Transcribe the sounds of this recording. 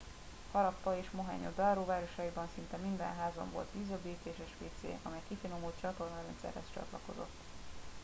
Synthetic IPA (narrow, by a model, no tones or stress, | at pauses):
hɒɾɒpːɒeːʃmoɦɛ̰ɲod̪ɒːɾoːvaːɾo̞ʃɒjibɒnsint̪ɛmind̪ɛ̰nɦaːzo̰ɱvo̞̰lt̪ʋiːzøbiːt̪eːʃɛʃʋeːt̪sḛːʔɒmɛjkifinomut͡ʃɒt̪o̞rnɒɾɛnt̪sɛ̰rhɛ̰st͡ʃɒ̰t̪lɒko̞̰zo̞̰t̪ː